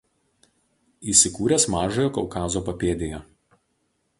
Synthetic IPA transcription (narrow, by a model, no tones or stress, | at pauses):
iːˑsʲɪkuːɾʲeːˑsmɑːʒojoːkɔʊkɑːzoːpɐpʲeːd̪ʲejɛ